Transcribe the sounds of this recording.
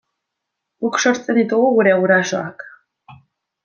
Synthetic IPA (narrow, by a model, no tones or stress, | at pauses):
ɡukʃo̞ɾt͡sʼend̪it̪uɣuɣuɾe̞awɾaso̞̰ak